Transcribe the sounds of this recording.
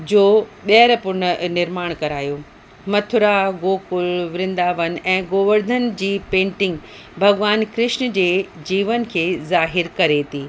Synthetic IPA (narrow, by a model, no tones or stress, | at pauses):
d͡ʑoːɓeɦəɾpʊnnɪɾmaːɽ̃kɐɾaːjoː | mɐt̪ʰʊɾaɡoːkʊlʋɾɪ̃nd̪aːʋən̆ɛ̃ːɡoːʋəɾd̪ʱənd͡ʑiːpẽːɳʈɪ̃ŋɡ | bʱɐɡʋaːnkɾɪʃnd͡ʑeːd͡ʑiːʋən̆kʰeːzaːɦɪɾkɐɾet̪ʰiː